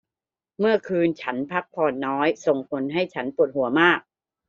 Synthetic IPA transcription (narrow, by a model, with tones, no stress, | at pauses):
mɯ˥˩ɐkʰɯː˧nt͡ɕʰa˦˥npʰa˦˥k̚pʰɔː˧nːɔː˦˥jso˨˩ŋpʰo˩˦nɦa˥˩jt͡ɕʰa˦˥npu˨˩ət̪̚hu˩˦ɐmaː˥˩k̚